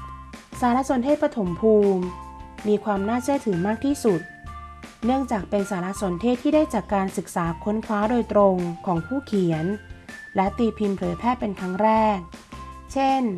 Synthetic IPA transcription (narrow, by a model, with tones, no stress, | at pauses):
saː˩˦ɾa˦˥ʔso˨˩˦nt̪ʰeː˥˩pɾa˧t̪ʰo˩˦mpʰuː˧mːiː˧kʰwaː˧mnaː˥˩t͡ɕʰɯ˥˩ət̪ʰɯː˨˩˦maː˥˩k̚t̪ʰiː˥˩su˨˩t̪̚nɯ˥˩əŋt͡ɕaː˨˩k̚pe˧nsaː˩˦ɾa˦˥ʔso˨˩˦nt̪ʰeː˥˩t̪ʰːiː˥˩daː˥˩jt͡ɕaː˨˩kkaː˧nsɯ˨˩k̚saː˩˦kʰo˧˦˥nkʰwaː˦˥doː˧jt̪ɾo˧ŋkʰɔː˩˦ŋpʰuː˥˩kʰi˨˩˦ən | lɛ˦˥t̪i˨˩pʰi˧mpʰɤː˩˦jpʰɛː˥˩pe˧nt̪ʰa˦˥ŋɾɛː˥˩k̚t͡ɕʰe˥˩n